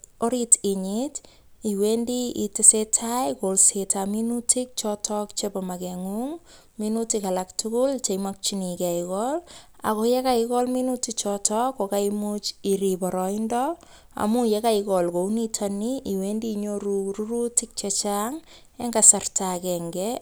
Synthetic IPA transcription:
oɾitɪɲit | iwendiitesetʰajkolsetʰaminutʰik̚t͡ʃɔtʰɔkt͡ʃepamakɛŋuŋ | minutikalaktʊkʊlt͡ʃejmak̚t͡ʃinikɛikɔl | a̰kojekaikɔlminutit͡ʃɔtʰɔkːokaimut͡ʃiɾipɔɾɔindɔ | a̰mujekaikɔlkounitʰaniiwendiɲoɾuruɾutik̚t͡ʃet͡ʃaŋ | eŋɡasartʰakɛŋɡɛ

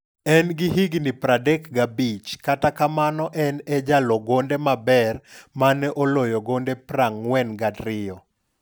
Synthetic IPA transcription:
ɛnɡɪɦiɡnɪpɾadɛkɡabit͡ʃkatakamanɔʔɛnɛd͡ʒalɔɡondemabɛrmanɛʔolojɔɡondepɾaŋwɛnɡadɾɪjɔ

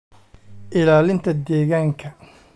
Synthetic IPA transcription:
ʔɪlaːlɪnt̪ʰɐd̪ɛːɣaːŋkʰɐ

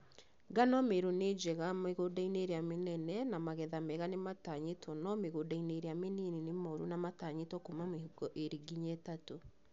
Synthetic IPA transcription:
ɡanɔmeɾoned͡ʒɛɣameɣodaineɾeamenɛnɛnamaɣɛðamɛɣanemataɲetʰwɔnɔmeɣodaineɾeamenininemɔɾunamataɲetɔkomamehuɡɔʔeɾiɡiɲetato

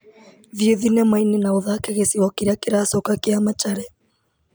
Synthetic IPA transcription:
ðieðinɛmainenaoðaːkɛɣesiwɔkiɾakeɾaːsokakeamat͡ʃaɾɛ

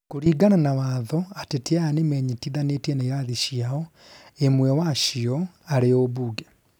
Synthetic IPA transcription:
koɾiːɡananawaːðɔateteaanemɛːɲetiðanetiɛnaiɾaðiʃiaɔ | emwɛwaʃiɔ | aɾeoβuːɡɛ

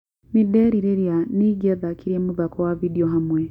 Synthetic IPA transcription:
nideɾiɾeɾjaniɡeðakiɾiemuβakowavidioɦamwe

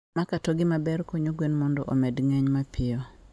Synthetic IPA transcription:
makatɔɡɪmabɛɾkoɲoɡwenmɔndɔʔomɛdŋɛɲmapʰɪɔ

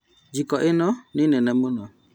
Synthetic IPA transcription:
d͡ʒikɔʔɪnɔnɪnɛnɛmunɔ

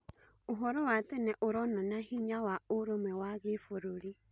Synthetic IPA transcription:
oɦɔɾɔwatɛnɛʔoɾɔnanahiɲawaoɾomɛwaɣefoɾoɾi

